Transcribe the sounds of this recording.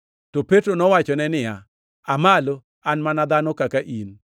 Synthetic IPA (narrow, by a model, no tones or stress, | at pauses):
tɔpetɾonɔwat͡ʃɔnɛnɪja | amalo | anmanad̪anɔkakaʔin